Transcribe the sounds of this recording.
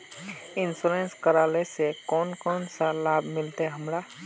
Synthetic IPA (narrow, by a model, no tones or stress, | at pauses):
ɪnsuleːnskəɾaːlesekɔːnkɔːnsalaːbʱmɪlt̪eɦəmɾa